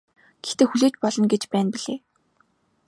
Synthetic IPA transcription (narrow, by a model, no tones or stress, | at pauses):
ɡ̥ext̪eːxuɮeːt͡ɕpɔɮɞ̆nɡet͡ɕpæːnpiɮeː